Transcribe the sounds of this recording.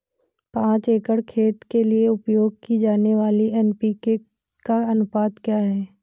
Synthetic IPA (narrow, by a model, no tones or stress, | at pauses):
pãːt͡ʃeːkəɽkʰeːt̪kelieʊpjoːɡ̚kid͡ʒaːneʋaːliɛːnpike | kaɐnʊpaːt̪kjaːɦɛː